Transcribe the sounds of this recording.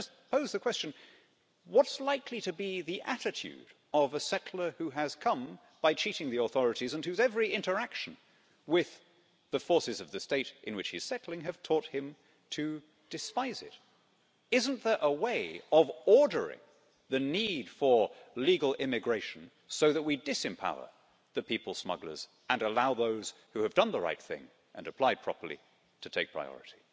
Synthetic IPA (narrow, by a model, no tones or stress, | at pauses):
d͡ʒʌspʰoʊzðɨkʰw̥ɛst͡ʃɨ̃n̩ | wʌtslaɪkʰliɾɨbiðiʔæɾɨtʰʉ̰ɾ | ʌvɨsɛɾʰl̩ˠə˞hʉɨz̥kʰʌ̃m | b̥aɪt͡ʃʰiɾɪ̃ŋðiəθɔɹɨɾizə̃nhʉzɛvɹiɪ̃ntə˞ækʃn̩ | wɪð | ðɨfɔɹsɨzʌvðɨsteɪɾʔɨ̰̃nwɨt͡ʃhḭz̥sɛtˡl̩ˠɪ̃ŋɨv̥tʰɔt̚hɨ̃m | tʰɨ | d̥ɨspaɪzɪ̰ɾ | ɪz̃n̩ðə˞ʔəweɪʌvɔɹɾə˞ɪ̰̃ŋ | ðɨnid̥fə˞liɡl̩ˠɪmɨɡɹeɪʃn̩ | soʊðɨt̚widɨsɨ̃mpʰa̰ʊə̰˞ | ðɨpʰipl̩ˠsmʌ̰ɡlə̰˞z | ɨ̃nəlaʊðoʊz̥ | hʉɨvdʌ̃nðəɹa̰ɪt̪̚θɪ̰̃ŋ | ʔɨ̰̃nɨpʰl̥aɪd̚pʰɹ̥ɑ̰pə˞lˠḭ | ɾʰɨtʰeɪk̚pʰɹ̥a̰ɪɔ̰ɹɨɾi̥